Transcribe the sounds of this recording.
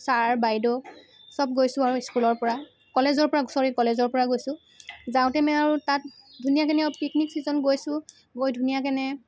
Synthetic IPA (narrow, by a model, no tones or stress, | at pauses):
saɹbajdɔ | sɔb̚ɡojsʊ̃aɹuiskulɔɹpɔɹa | kɔlezɔɹpɔɹaɡsɔɹikɔlezɔɹpɔɹaɡojsʊ̃ | zãʊ̃tɛmɛaɹutat̚dʱunijakɛnɛawpikniksizɔnɡojsʊ̃ | ɡojdʱunijak̬ɛnɛ